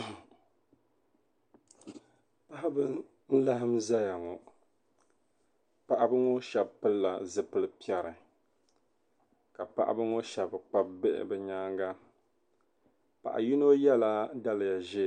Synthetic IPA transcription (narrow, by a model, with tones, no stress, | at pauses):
pa˦ʔa˦bɨ˦ | n̩˦la˦ɦɨ˦mza˦ja˨ŋɔ˨ | pa˦˨ʔa˦bɨ˦ŋo˦ʃɛ˨bpɨ˦lːa˨zɨ˨pɨ˦lɨ˦pi˦ɛ˨ɾɨ˨ | ka˨pa̰˦˨ʔa̰˦bɨ˦ŋo˦ʃɛ˨bk͡pa˦b̚bɛ˦ʔɪ̰˨bɨ˨ɲaː˦ŋɡa˦ | pa̰˨ʔa̰˨ji˦no˦jɛ˦la˦da˦lɨ˨ja˨ʒe˦